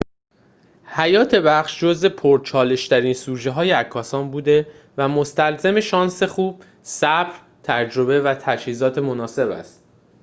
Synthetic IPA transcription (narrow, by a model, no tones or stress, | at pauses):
hæjɒːt̪ʰe̞bæχʃd͡ʒozve̞pʰoɾt͡ʃʰɒːle̞ʃt̪ʰæɾiːnsuːd͡ʒeɦɒːjeækʰːɒːsɒːnbuːd̪e̞ | væmost̪ælzeme̞ʃɒːnse̞xuːb̥̚ | sæbɾ | t̪ʰæd͡ʒɾo̞βe̞væt̪ʰæʃhiːzɒːt̪ʰe̞mo̞nɒːse̞bæ̰st̪̚